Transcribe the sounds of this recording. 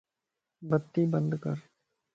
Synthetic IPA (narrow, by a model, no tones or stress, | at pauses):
bət̪ːiːbə̃nd̪kəɾ